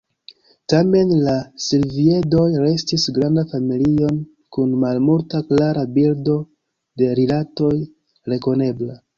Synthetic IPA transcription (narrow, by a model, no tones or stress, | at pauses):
tame̞nlasilvie̞do̞jɾe̞stisɡɾandafamilio̞n | kunmalmultaklaɾabildo̞ | de̞ɾilato̞j | ɾe̞ko̞ne̞bla